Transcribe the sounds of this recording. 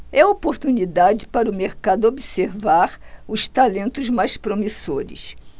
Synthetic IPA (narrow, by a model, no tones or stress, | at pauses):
ɛopoɾt̪unid̪ad͡ʒɪpaɾʊmeɾkad̪ʊobiseɾvaɾʊst̪alẽnt̪ʊzmajspɾomisoɾɪ̰s